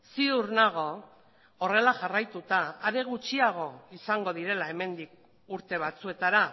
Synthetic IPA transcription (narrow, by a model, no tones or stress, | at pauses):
siðuɾnaɣ̞o̞ː | re̞laʝarajt̪ut̪aːɾe̞ɣ̞ut͡ʃiaɣ̞o̞isaŋɡo̞ð̞iɾe̞lae̞me̞nd̪ik̚ | uɾt̪e̞β̞at͡sue̞t̪aɾa